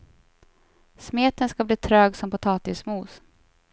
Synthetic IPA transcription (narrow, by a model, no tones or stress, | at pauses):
smeːt̪ənskabliːt̪ʰɾøːɡsɔmpʊt̪ʰɑːt̪ɪsmuːs